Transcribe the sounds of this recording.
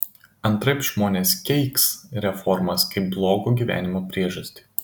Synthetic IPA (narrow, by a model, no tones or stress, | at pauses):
ɐnˑt̪ɾɐɪpʒmoːnʲeːskʲɛɪksɾʲɛfɔɾmɐskɐɪp̚blˠoːɡuɡʲiːˑʋʲæ̰ːnʲɪmoːpʲɾʲiɛʒɐsʲt̪ʲɪ̥